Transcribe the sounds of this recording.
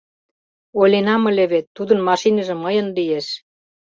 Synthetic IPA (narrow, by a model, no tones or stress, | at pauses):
ojlenɑmə̆leβet̪ːud̪ə̆nmɑʃinə̆ʒĕməjə̆nlijeʃ